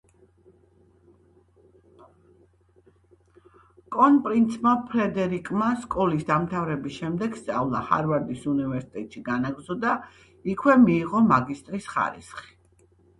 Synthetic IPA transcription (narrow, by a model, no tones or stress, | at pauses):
kʼɔnpʼɾint̪sʰmapʰɾɛd̪ɛɾikʼmaskʼɔlisd̪amt̪ʰavɾɛbisʃɛmd̪ɛɡ̥st̪sʼavlˠa̰ha̰ɾvaɾd̪isunivɛɾsi̥t̪ʼɛt̪ʼʃiɡanaɡzɔd̪a | ikʰwɛmiːʁɔmaɡist̪ʼɾisχa̰ɾḭsχi̥